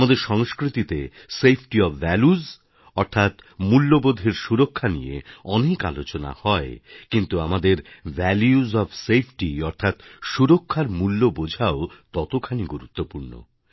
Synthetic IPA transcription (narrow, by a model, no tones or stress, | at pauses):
mad̪eɾʃɔŋskɾit̪it̪e | sepʰʈiɔbːɛluz | ɔɾt̪ʰat̪mulːobod̪ʱeɾʃuɾokʰːanijḛɔneka̰lot͡ɕona̰hɔekint̪uamad̪eɾvɛljuzɔfsejpʰʈiɔɾt̪ʰat̪ʃuɾokʰːaɾmulːobod͡ʑʱaot̪ɔt̪okʰaniɡuɾut̪ːopuɾno̰